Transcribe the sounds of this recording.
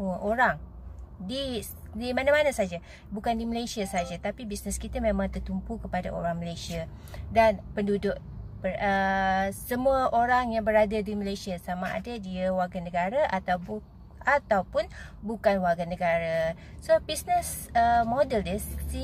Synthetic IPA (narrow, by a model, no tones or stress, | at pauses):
uəʔoɾaŋ | di | dimanãmanasad͡ʒa | bukandiməlesiasad͡ʒat̪apibisnəskit̪amẽmãŋt̪ərt̪umpukəpadaʔo̰ɾaŋməlesia | danpəndudʊʔ | pəəsəmuəʔoɾaŋjaŋbəɾadadiməlesiasamaʔa̰dadiawarɡanəɡaɾaʔat̪awbu | at̪awpʊn | bukanwaɡanəɡaɾa | sobisnəsəmodəldɛssi